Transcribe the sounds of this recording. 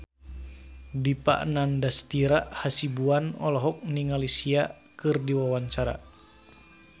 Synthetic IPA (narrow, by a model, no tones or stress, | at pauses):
dipa̰ʔnandast̪iɾaʔhasibuanɔ̰lɔɦɔk̚niŋalisia | kɨrdiwawaɲt͡ʃaɾa̰